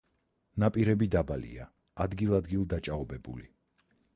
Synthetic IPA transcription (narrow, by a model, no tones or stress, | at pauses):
napʼiɾɛbid̪abalḭa | ad̪ɡilˠad̪ɡilˠd̪at͡ʃʼaɔbɛbṵli